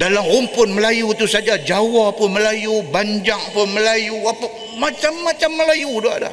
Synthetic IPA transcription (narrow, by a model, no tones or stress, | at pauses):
dalamumpʊnməlajut̪usad͡ʒad͡ʒawapʊnməlajubaɲd͡ʒaŋapəməlajuapa | mat͡ʃamːat͡ʃamːəlajuduaʔda̰h